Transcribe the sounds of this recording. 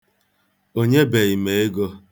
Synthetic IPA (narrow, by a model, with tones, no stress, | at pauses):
o˦ɲe˦be˨i˨me˨e˦ɡo˦